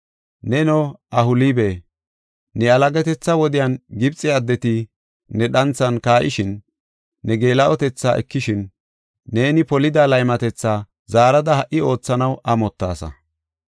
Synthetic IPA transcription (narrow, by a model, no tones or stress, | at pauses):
nɛnɔʔɐhʊlibe̞ː | ɛɐlɐɡɛt̪ɛt͡sːɐwɔd̪ɪjɐnɡɪbt͡sʼːɪɐd̪ːɛt̪ɪ | nɛɗɐnt͡sːɐnkaːʔɪ̰ʃɪnː | ɛɡe̞ːlɐʔɔt̪ɛt͡sːa̰ːʔɛ̰kːɪʃɪnː | e̞ːnɪpɔlɪd̪alɐjmɐt̪ɛt͡sːaː | zaːɾɐd̪ɐhɐʔɪo̞ːt͡sːɐnɐwɐmɔt̪ːa̰ːsɐ̰